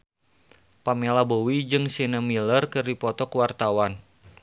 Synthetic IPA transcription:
pamelabowid͡ʒɨŋsinəmilərkɨrdipɔt̪ɔkwart̪awan

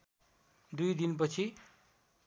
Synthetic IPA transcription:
d̪ujd̪inp̬ʌt͡sʰi

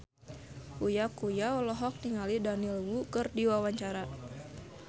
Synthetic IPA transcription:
kujakujaɔlɔɦɔk̚tiŋalidanilwukərdiwawaɲt͡ʃaɾa

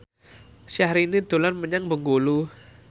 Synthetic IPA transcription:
sahɾinid̪o̤lanməɲaŋbəŋɡolu

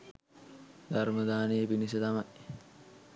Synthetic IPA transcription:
d̪aɾməd̪aːnejəpinis̬ət̪ɐmaj

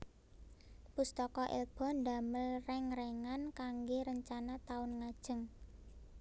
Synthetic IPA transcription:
pust̪ɔkɔʔḭlb̥ɔ̤nd̪a̤məlrɛŋɾɛŋankaŋɡeɾəɲt͡ʃanat̪aʊnŋad̥ʒ̥ə̤ŋ

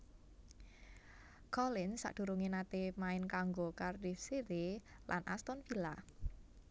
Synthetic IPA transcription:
kɔlɪnsa̰ʔd̥ṳɾuŋenat̪emaɪnkaŋɡokardifsiɾelʔa̰nʔa̰st̪ɔnfila

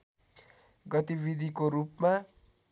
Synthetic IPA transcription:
ɡɔt̪iʋid̪ikoɾupma

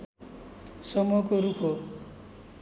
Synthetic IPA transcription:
sʌmɔkoɾupʰo

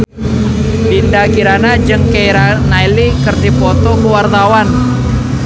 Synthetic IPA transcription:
bindakiɾanad͡ʒɨŋkejɾanailikɨrdipɔt̪ɔkəwart̪awan

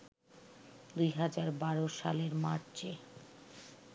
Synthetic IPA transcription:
d̪ujɦad͡ʑaɾbaɾoʃa̰leɾma̰ɾt͡ɕe

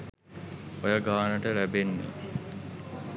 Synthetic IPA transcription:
ojəɡaːnəʈəlæbenːḛ

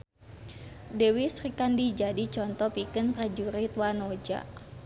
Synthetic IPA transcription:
dɛwisrikandid͡ʒadit͡ʃɔnt̪ɔpikɨnprad͡ʒuɾit̪wanod͡ʒa̰

